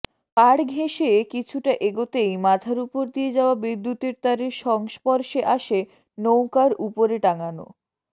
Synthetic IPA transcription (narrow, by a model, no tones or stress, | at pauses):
kaɽɡʱeʃekit͡ɕʰuʈaʔeɡot̪ejmad̪ʱʰaɾupoɾd̪ijed͡ʑaoabid̪ːut̪eɾt̪aɾeɾʃɔŋʃpɔɾʃeʔaʃe | nowkaɾʔupoɾeʈaŋano̰